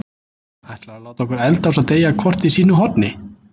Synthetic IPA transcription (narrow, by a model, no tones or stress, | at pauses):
ajt̪laɾalaːwt̪ɔhkʏɾɛlt̪aws̬aðt̪eːjakʰɔr̥t̪isiːnʏɦɔt̪nɪ